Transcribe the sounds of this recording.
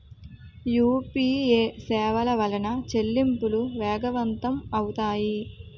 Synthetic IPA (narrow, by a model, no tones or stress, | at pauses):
juːpiːeːsɛːʋɐlɐʋɐlɐnɐt͡ʃelːimpuluʋɛːɡɐʋɐnt̪ɐmɐwut̪aːji